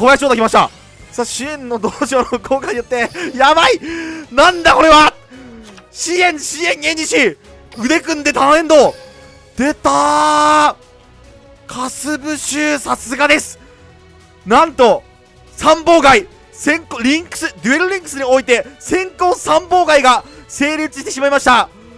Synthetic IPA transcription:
koajaɕoːt̪akʲimaɕit̪a̰ | saːɕiẽ̞nːo̞d̪oːʑoːnoko̞ːkaɲijot̪ːe̞jamainãnd̪ako̞ɾe̞βa | ɕiẽ̞ɰɕiẽ̞ŋẽ̞ɲ̟ːiɕi | ɯ̟d̪e̞kɯ̟̃nd̪e̞t̪aẽ̞nd̪o̞ | d̪̥e̞t̪a | kʰasɨbɯ̟ɕɨːsasɨɡad̪e̞sɨ̥ | nãnt̪o̞ | sãmbo̞ːɡai | sẽ̞ŋkoɾʲĩŋkɯ̥sɨd̪ɯ̟eɾɯ̟ɾʲĩŋkɯ̟sɨɲio̞it̪e̞sẽ̞ŋkõ̞sãmbo̞ːɡaiɡase̞ːɾʲɯt͡sɨɕit̪e̞ɕ̬imaimaɕi̥t̪a

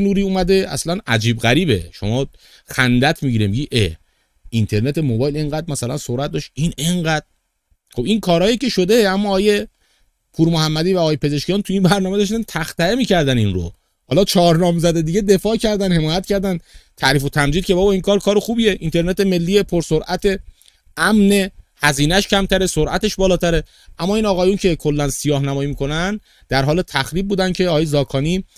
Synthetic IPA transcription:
nuːɾiːuːmæd̪e̞æ̰slænæd͡ʒiːbɣæɾiːbe̞̰ʃo̞̰mɒː | xænd̪æt̪ʰmiɟiɾemiɟiːʔe | int̪ʰe̞ɾne̞t̪ʰe̞mobɒːjle̞ŋɢæd̪̚mæsælænsoɾæt̪̚dɒːʃʔineŋɢæd̪̥ɾ | xo̞biŋkʰɒːɾhɒːjicʰe̞ʃo̞d̪e̞æmːɒːɒːje̞ | pʰuːɾmohæmːæd̪iːvæɒːjepʰe̞ze̞ʃcijɒːnt̪ʰuiːnbæɾnɒːme̞d̪ɒʃ̬t̪ænt̪ʰæxt̪æemiːcʰæɾd̪æninɾo̰ | hɒːlɒːt͡ʃʰɒːɾnɒːmzæd̪e̞d̪iːɡɟe̞d̪e̞fɒːcʰæɾd̪ænhe̞mɒːjæt̪̚cʰæɾd̪ænt̪ʰæʔɾiːfo̞t̪ʰæmd͡ʒiːd̪̚cʰʲe̞bɒːbɒiŋkʰɒːɾkʰɒːɾexuːbiːje̞ʔint̪ʰe̞ɾne̞t̪eme̞lːiːepʰoɾsoɾʔæt̪ʰe̞ | æmne̞hæziːnæʃcʰæmt̪ʰæɾesoɾʔæ̰t̪e̞ʃbɒːlɒːt̪ʰæɾe̞ | ʔæmːɒːiːnɒːɣɒːjuncʰe̞kʰo̞lːænsijɒːɦnæmɒːjimiːkʰo̞næn | d̪æɾɦɒːlet̪ʰæxɾiːb̚buːd̪ænd̪̚cʰe̞ɒːɒjezɒːkʰɒːniː

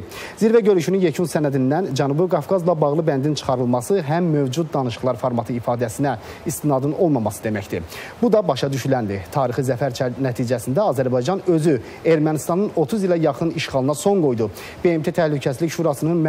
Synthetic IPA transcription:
ziɾvæɟø̞ɾyʃynynjecʰunsænæd̪ind̪ænd͡ʒænubiɡɑfɡɑzlˠɑbɑɣlˠɯbænd̪int͡ʃʰɯ̥χɑɾɯlˠmɑsɯɦæmːø̞vd͡ʒud̪̚d̪ɑnɯʃɯ̥χlˠɑɾfoɾmɑt̪ʰɯifɑːd̪æsinæ | ist̪inɑd̪ɯno̞lˠmɑmɑsɯd̪e̞mæcd̪ḭbud̪ɑbɑʃɑd̪yʃylænd̪it̪ʰɑːɾiχɯzæfæɾt͡ʃʰæɾnæt̪ʰiːd͡ʒæsind̪æɑzæɾbɑjd͡ʒɑnø̞zy | e̞ɾmænist̪ɑnɯno̞t̪ʰuzilˠæjɑχɯniʃχɑlˠɯnɑso̞ŋɡo̞jd̪u | b̥e̞emt̪e̞t̪ʰæhlycʰæsiliçʃuːɾɑsɯnɯnm

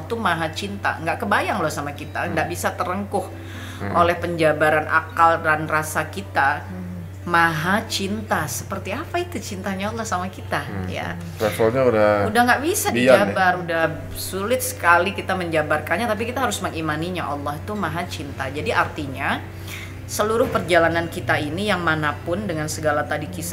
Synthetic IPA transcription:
t̪umaɦat͡ʃint̪a̰ŋɡaʔkəbajaŋlosamakit̪aəŋɡaʔbisat̪əɾəŋkʊh | ʔolɛhpəɲd͡ʒabaɾanʔa̰kaldanrasakit̪a | maɦat͡ʃint̪asə̥pərt̪iapait̪ut͡ʃint̪aɲaɔlːɔhsamakit̪aja̰ | ɾasalɲaudaudahŋɡaʔbisadiabaɾudah | sulɪt̪̚sə̥kalikit̪aməɲd͡ʒabarkanɲat̪ap̬ikit̪aɦaɾʊsməŋimaniɲaʔɔlːɔhit̪umaɦat͡ʃint̪ad͡ʒadiʔart̪iɲa | səluɾʊhpərd͡ʒalanankit̪ainijaŋmanapʊndəŋansəɡalat̪adikis

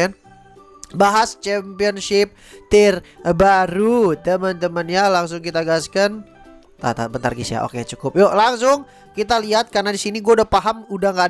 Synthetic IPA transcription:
n | baɦast͡ʃɛmpiɔnsɪp̚ | t̪irbaɾut̪əmənt̪əmənjalaŋs̬ʊŋkit̪aɡaskan | t̪a̰t̪a̰bənt̪a̰rɡisja̰ʔo̰kejat͡ʃukʊp̚jolaŋsʊŋ | kit̪aliɦat̪̚karnadisiniɡuadapaɦamudaŋkad

